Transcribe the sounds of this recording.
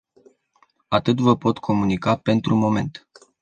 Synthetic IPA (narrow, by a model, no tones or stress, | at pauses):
at̪ɨt̪vəpo̞t̪kʰo̞munikape̞nt̪ɾumo̞me̞̰nt̪